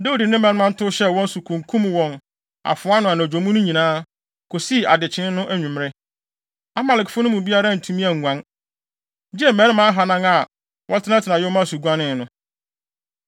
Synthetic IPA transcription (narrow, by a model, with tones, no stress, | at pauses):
de˦u˨dɪ˨nɪ̃˦mæ̃˨˦nɪ˦mã˦n̩˦tʰʊ˦ɕɛ˦wɔ̃˦n˦su˨kʰũ˨ŋkʰũ˦mwɔ̃˨n | a̰˨fʊ˨a˦nʊ̃˨a˨nã˨d͡ʑᶣo˨mũ˦nʊ̃˦ɲĩ˨nãː˦ | kʰo˨si˦˨a˨dɪ˨t͡ɕʰɪ̃˦n˦nʊ̃˦ʔæ˦ɲᶣũ˨m˦ɾɪ˦ | a˦ma˨lɪ˨kfʊ˦nʊ̃˦mũ˨bi˦a˦ɾa˦˨n̩˨tʰũ˦mĩ˦æ˨ŋːʷ˨ã˨˦n | d͡ʑi˦ɛ˦˨mæ̃˦ɾɪ˦mã˦ɦa˨nã˦ŋa˨ | wɔ̃˦tʰɪ˦nã˦tʰɪ˨nã˨jʊ˦mã˦˨su˨ɡʷã˦nɪ̃˦˨nʊ̃˨˦